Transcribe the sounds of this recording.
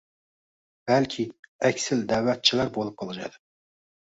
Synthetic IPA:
b̥ælkʲʰiɛkʲsɪld̪æwɛt̪̚t͡ʃʰilæɾbolˠɨp̚qʰɑlˠɨʒɑ̰jd̪ɨ

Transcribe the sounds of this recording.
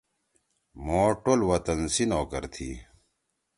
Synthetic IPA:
moːʈolwɐt̪ɐnsinoːkɐ̰ɾt̪ʰḭ

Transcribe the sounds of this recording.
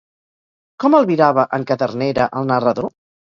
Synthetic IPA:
kɔməlˠβiɾaβəʔəŋkəðərneɾəʔəlˠnərəðo

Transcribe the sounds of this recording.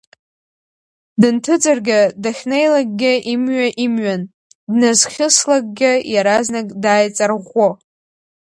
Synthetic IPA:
dɨntʰɨd͡zʼarɡʲadaχʲnejlaɡ̚ʼɡʲɪʔimɥaʔimɥan | dnazχʲɪslaɡ̚ɡʲɪjaɾaznakʼdaːjt͡sʼarʁʷo

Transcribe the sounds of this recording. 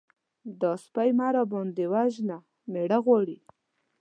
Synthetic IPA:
d̪ɑspajmaɾabɔnd̪ewaʒna | meɽaɣwɑɽi

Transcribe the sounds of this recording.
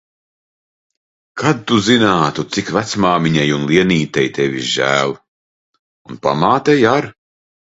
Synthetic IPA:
kʰad̪̚t̪uzinaːt̪ut̪sikvæt̪smaːmiɲajunlˠiɛniːt̪ɛjt̪evʲiʒæːlˠ | unpa̰maːt̪ɛjaɾ

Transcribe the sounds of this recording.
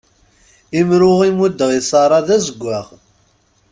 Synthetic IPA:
imɾʊʁimud̪ːʁisɑɾˤɑðæzəɡʷːaʁ

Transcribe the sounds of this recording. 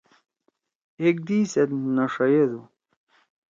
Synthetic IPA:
ek̚d̪iːset̪nɐʂɐjed̪u

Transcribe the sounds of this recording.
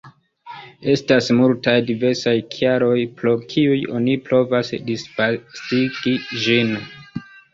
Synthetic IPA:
e̞stasmultajdive̞ɾsajkʰiaɾo̞jpɾo̞kʰiujo̞niplo̞vasdisfasiɡ̥id͡ʒin

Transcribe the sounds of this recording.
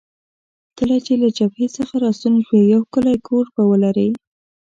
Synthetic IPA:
kəlat͡ʃelad͡ʒabhesəxaɾɑsunʃwejawkəlajkʰoɾpawəlaɾəj

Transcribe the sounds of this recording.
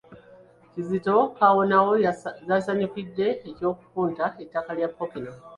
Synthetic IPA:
cizito̞kawo̞nawo̞zasaɲikidːe̞ːco̞ːkukuːntae̞tːakaljapːopina

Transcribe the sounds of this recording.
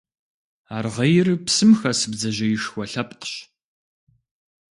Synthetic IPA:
aːrʁɐjɪrpsɨmxɐsɨbd͡zɐʑɐjɪʂxʷɔɬɐpqɕ

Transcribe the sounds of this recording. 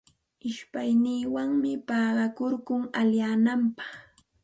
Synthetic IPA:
ɪʃpajniːwaŋmɪpɑːɢɑkoɾkʊŋaljaːnampɑ̥χ

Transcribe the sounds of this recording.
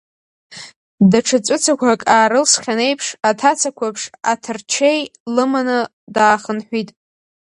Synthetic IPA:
daʈ͡ʂʰɨt͡sʷʼʊt͡sʰakʷʰakʼaːɾɨlsχʲane̞jpʰʂatʰat͡sʰakʷʰapʰʂatʰɨrt͡ʃʰejlɨmanɨ | daːχənħʷitʼ

